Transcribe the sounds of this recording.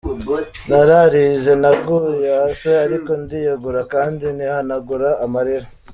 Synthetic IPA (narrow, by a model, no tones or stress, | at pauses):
naɾaɾize̞naɡujaseaɾiko̞ndijaɡuɾakaːndinihanaɡuɾaːmaɾiɾa